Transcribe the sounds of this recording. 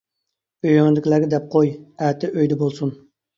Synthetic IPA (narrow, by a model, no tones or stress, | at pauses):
øjyŋd̪ɪkʲlæɡʲɛd̪ɛp̚qʰojæt̪ʰɪʔøjd̪ɛbolˠsun